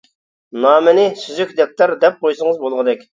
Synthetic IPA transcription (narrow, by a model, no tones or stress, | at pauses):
nɑːmɪnɪsyzykʲd̪ɛk̚ʲt̪ɑɾd̪ɛp̚qʰojsəŋəzbolˠʁəd̪ɛkʲ